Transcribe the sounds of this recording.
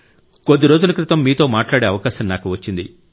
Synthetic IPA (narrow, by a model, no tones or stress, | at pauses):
kod̪ːiɾo̞ːd͡ʒulɐkɾɪt̪ɐmːiːt̪o̞ːmaːʈlaːɽeːɐʋɐkaːʃɐmnaːkuʋɐt͡ʃːind̪ḭ